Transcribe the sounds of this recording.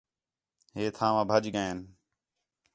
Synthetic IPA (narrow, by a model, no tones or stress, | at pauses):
ɦeːt̪ʰãːʋãːbʱəd͡ʒɡəeːn